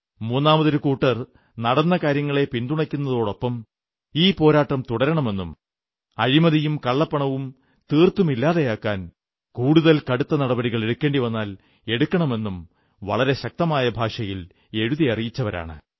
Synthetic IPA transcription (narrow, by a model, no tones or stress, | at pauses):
muːnːaːmɐðɐɾukuːʈːɐr | nɐɽɐnːɐkaːɾjɐŋːɐɭe̞pind̪uɳɐkʲːunːɐðo̞ːɽo̞pːɐm | iːpo̞ːɾaːʈːɐmt̪uɽɐɾɐɳɐme̞nːum | ɐ̰ɻimɐðijumkɐɭːɐpːɐɳɐʋum | t̪iːrt̪ːumilːaːðejaːkːaːn | kuːɽuðɐlkɐɽut̪ːɐnɐɽɐbɐɾiɣɐɭe̞ɽukːe̞ːɳɖiʋɐnːaːl | e̞ɽukʲːɐɳɐme̞nːum | ʋɐ̰ɭɐɾe̞ɕɐk̚t̪ɐmaːjɐbʱaːʂɐjil | e̞ɻuðijɐrijit͡ɕːɐʋɐɾa̰ːɳɨ̰